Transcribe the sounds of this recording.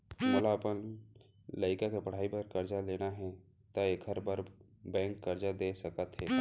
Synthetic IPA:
məlaəpən | ləɪkakepəɽ̤aːipəɾkəɾd͡ʒaleːnaɦɛ̃ | t̪aekʰəɾbəɾ | bɛ̃ːŋkːəɾd͡ʒad̪esəkət̪ɦɛː

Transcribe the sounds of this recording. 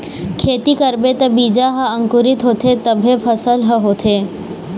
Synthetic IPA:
kʰeːt̪ikəɾbet̪əbiːd͡ʒaɦəə̃ŋkuɾɪt̪ɦot̪ʰet̪əbʱepʰəsəlɦəɦot̪ʰe

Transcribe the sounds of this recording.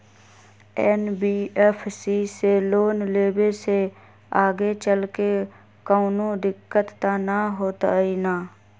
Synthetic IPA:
ɛːnbiːepʰsiːseloːnleːbese | aːɡet͡ʃəlke | kəʊnõd̪ɪkːət̪ːanaɦoːt̪a̰iːnaː

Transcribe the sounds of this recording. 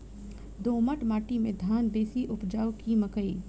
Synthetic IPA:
d̪oːməʈmaːʈimẽd̪ʱaːnb̪eːsiʔʊpd͡ʒaːokiməkəi

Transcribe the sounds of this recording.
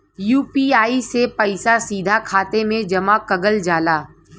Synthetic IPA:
juːpiaːisepɐɪsasiːd̪ʱakʰaːt̪emẽd͡ʒɐmakɐɡəld͡ʒaːlaː

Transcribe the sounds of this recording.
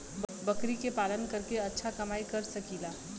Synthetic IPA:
bɐkɾikepaːlənkɐɾkeɐtːʃʰakɐmaːikɐɾsɐkiːlaː

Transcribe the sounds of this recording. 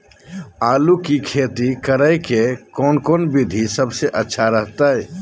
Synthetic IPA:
aːlukikʰet̪ikəɾəjkekonkoːnbid̪ʱisəbseʔətːʃʰaɾəɦt̪aɛ

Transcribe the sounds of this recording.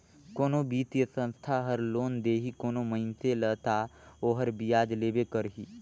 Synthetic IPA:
koːnobiːt̪ijəsə̃nst̪ʰaɦəɾloːnd̪eːɦikoːnoməɦɪnt̪elət̪aoːɦəɾbijaːd͡ʒleːbekəɾɦḭː

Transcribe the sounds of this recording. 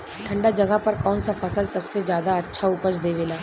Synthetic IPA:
ʈʰɐ̃ɳɖad͡ʒɐɡəpɐɾkɔːnsafɐsəlsɐbsezjaːd̪aɐtːʃʰaʊpət͡ʃd̪eːʋeːlaː

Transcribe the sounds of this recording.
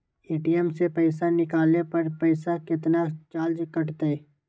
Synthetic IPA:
eːʈijəmsepɛːsanɪkaːlnepɐɾpɛːsakɪt̪nat͡ʃaːld͡ʒkɐʈt̪aɛː

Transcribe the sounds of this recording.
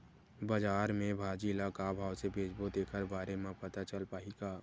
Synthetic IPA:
bəd͡ʒaːɾmẽbʱaːd͡ʒilakabʱaːwsebʱeːd͡ʒbot̪eːkʰəɾbaːɾemẽpət̪at͡ʃəlpaːiɡaː

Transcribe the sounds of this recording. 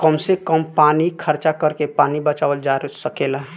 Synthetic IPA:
kəmsekəmpaːnikʰəɾt͡ʃakəɾkepaːnibət͡ʃaːʋəld͡ʒaɾsəkeːlaɦ

